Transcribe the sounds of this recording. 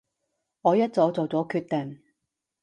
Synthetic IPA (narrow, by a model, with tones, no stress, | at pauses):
ŋɔː˨˧jɐ˥t̚t͡sɔː˨˥t͡so˨wt͡sɔː˨˥kʰyː˧t̚t̪ɛ˨˩ŋ